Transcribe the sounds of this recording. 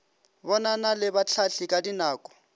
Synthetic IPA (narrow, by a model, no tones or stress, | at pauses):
bɔnanalɪbat͡ɬʰaɬɪkʼadinaːkʼɔ̥